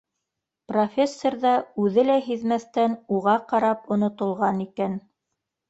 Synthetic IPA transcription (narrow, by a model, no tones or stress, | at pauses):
profʲesːorðɑʉðɘlæɦiðmæθt̪ænuʁɑqɑɾɑpŏnŏt̪ŏlˠʁɑnikæn